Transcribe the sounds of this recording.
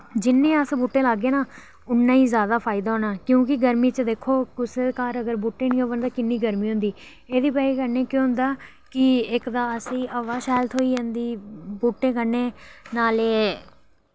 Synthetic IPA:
d͡ʒɪnːẽːəsbuːʈːẽːlaːɡeːnaː | ʊnːãːĩːzjaːd̪aːpʰaːɪd̪aːɦoːnaːkjõːkɪɡəɾmiːt͡ʃəd̪eːkʰːoːkʊskaːɾəɡəɾbuːʈːẽːnĩːoʋənd̪aːkɪnːiːɡəɾmiːɦʊ̃nd̪iː | eːd̪iːpɛːiːkəɾneːkjõːɦʊ̃nd̪aː | kɪɪkd̪aːəsĩːəʋaːʃaːlt̪ʰoːiːd͡ʒãːnd̪iːbuːʈːẽːkəɾneːnaːleː

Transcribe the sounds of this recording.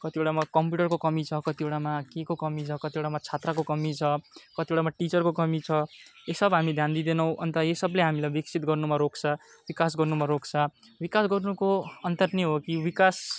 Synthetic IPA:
kʌt̪ieɽamakʌmpjuʈʌrkokʌmit͡sʰʌkʌt̪ieɽamakekokʌmit͡sʰʌkʌt̪ioɽamat͡sʰat̪rakokʌmit͡sʰʌkʌt̪ioɽamaʈit͡sʌrkokʌmit͡sʰʌesʌbɦamid̪ʱjand̪id̪enʌw̃ʔʌnt̪ʌjesʌbleɦamilajbiksʰit̪ɡʌrnumaɾokt͡sʰʌ | bikasɡʌrnumaɾokt͡sʰa | bikasɡʌrnukoʌnt̪ʌrneɦokibikas

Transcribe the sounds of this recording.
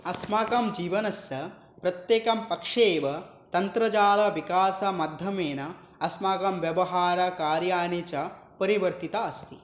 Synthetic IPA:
ɐsmaːkɐmd͡ʒiːʋɐnɐsjɐ | pɾɐt̪jeːkɐmpɐkʂeːʋɐ | t̪ɐnt̪ɾɐd͡ʒaːlɐʋikaːsɐmɐd̪ʱjɐmeːnɐ | ɐsmaːkɐmʋjɐʋɐɦaːɾɐkaːɾjaːnit͡ʃɐ | pɐɾiʋɐɾt̪it̪ɐɐst̪ʰi

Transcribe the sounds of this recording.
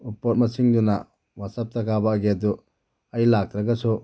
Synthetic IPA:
upot̚mɐsiŋdunɐ̰ | wasɐp̚tɐkabaːɡeɐdu | ɐjlak̚ɾɐɡɐsu

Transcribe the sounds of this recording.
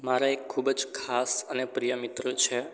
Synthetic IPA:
maɾaekʰːubd͡ʒkʰasənepɾijəmit̪ɾət͡ʃʰe

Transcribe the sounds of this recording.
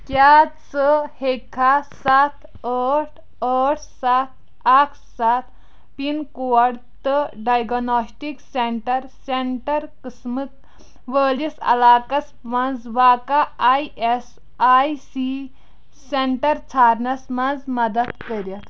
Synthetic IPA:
kʲjat͡səhekʰasat̪ʰ | əʈʰ | əʈʰsat̪̚ʰ | akʰsat̪̚ʰ | pinkoɐɽt̪əɖajɡnɔsʈikseɳʈɐɾseɳʈɐɾkəsmɨk | ʋəlisɐ̰laːkɐs | mãnd͡zʋaːkaajes | ajsi | seɳʈɐɾt͡sʰaːɾnɐsmɐnd͡zmɐd̪ɐt̪kəɾɐt̪

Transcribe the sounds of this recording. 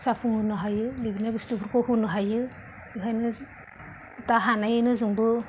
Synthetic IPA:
sapʰuŋɯnɔɦajɯlibinabistupʰɯɾkʰɔhunɯɦajɯ | ɯɦajnɯ | taɦanajɯnɯzɯŋbɯ

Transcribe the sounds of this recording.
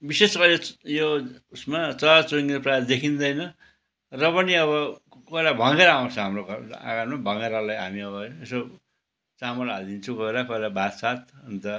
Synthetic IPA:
bisesʌɾejousmat͡sʌt͡soŋiprad̪ekʰind̪ʌjnʌ | rʌpʌniʌβʌ | koelabʱʌŋeɾʌaw̃nt͡sʰʌɦamroka̰ɡanmabʱʌŋeɾʌlajɦamiʌβʌeso | t͡samʌlald̪int͡sʰukoeɾakoelabʱat̪sat̪̚ʌnt̪ʌ

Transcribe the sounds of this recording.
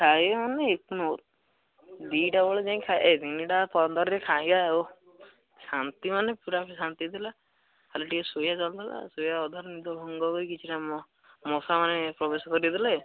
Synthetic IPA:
kʰaibemaneeknot | d̪iʈabɔɭed͡ʒaĩkʰaed̪iniʈapɔnd̪ɔɾɾekʰajɡaeo | sant̪imanepuɾapisant̪it̪ila | aleʈikesujat͡ʃɔld̪ala̰sujaɔd̪ʱaɾnid̪ʱɔbʱɔŋɡɔɡojkit͡ʃʰiʈamɔ | mosamanepɾɔbesɔkɔɾid̪ilae

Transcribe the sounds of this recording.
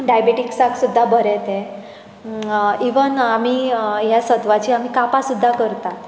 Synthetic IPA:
ɖajbeʈiksaksud̪ʱːabʱəɾɛt̪ẽ | iʋənam̤iːjasət̪ʋat͡ɕiːam̤ikapasud̪ʱːakəɾt̪at̪

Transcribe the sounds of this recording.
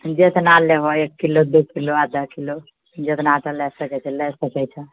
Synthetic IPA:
d͡ʒesenalːeɦoekːilod̪uskiload̪ʱəkilo | d͡ʒet̪natəlɛsəkɛt͡ʃʰɛlɛsəkɛt͡ʃʰɛ

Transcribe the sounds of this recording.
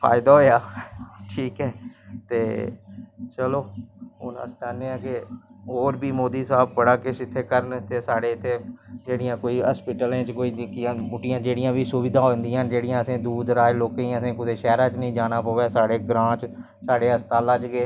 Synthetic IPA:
pʰa̰ːɪd̪aːɦoːjaːʈʰiːkɦɛːt̪eː | t͡ʃəloːʊ̰nã̰ːst͡ʃãːneːãːkɪɦoːɾbiːmoːd̪iːsaːb̚pəɽaːkɪʃɪt̪ʰːeːkəɾnt̪ʰeːsaːɽeːɪt̪ʰːeːd͡ʒeːɽɪjãːkoːiːɦəspɪʈəlẽːt͡ʃkoːiːkɪjãːmʊʈɪjãːd͡ʒeːɽɪjãːʋiːsʊʋɪd̪ãːɦoːnd̪ijãːd͡ʒeːɽɪjãːəsẽːd̪uːd̪ɾaːeloːkẽĩəsẽːkʊd̪eːʃɛːɾãːt͡ʃnĩːd͡ʒaːnaːpoːʋɛːsaːɽeːɡɾãːt͡ʃ | saːɽeːəst̪aːlãːt͡ʃɡeː

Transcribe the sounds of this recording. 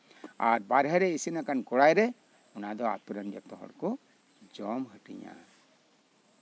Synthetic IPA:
aɾbaɾɦɛɾɛisinakankɔɽajɾɛ | ɔnad̪ɔa̰t̪uɾənd͡ʒɔt̪ɔɦɔ̰ɽkɔ | d͡ʒɔmɦəʈḭɲa̰

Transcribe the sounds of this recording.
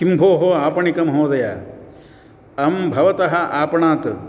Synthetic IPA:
imbʱoːɦoaːpɐɳikɐmɦoːd̪ɐjɐ | ɐmbʱɐʋɐt̪ɐɦɐʔaːpɐɳaːt̪

